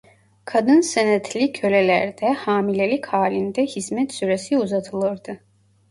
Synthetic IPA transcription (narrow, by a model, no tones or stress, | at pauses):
kʰad̪ɯnsenɛt̪ʰlʲicʰø̞lelʲæɾd̪ɛhaːmilʲelʲichaːlʲind̪ɛhizmɛt̪syɾesiuzat̪ʰɯlˠɯɾd̪ɯ